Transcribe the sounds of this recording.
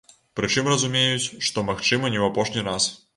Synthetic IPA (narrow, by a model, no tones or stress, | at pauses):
pɾɨt͡ʂɨmrɐzumʲejut͡sʲʂt̪ɔmaxt͡ʂɨmɐnʲɛwɐpɔʂnʲiɾas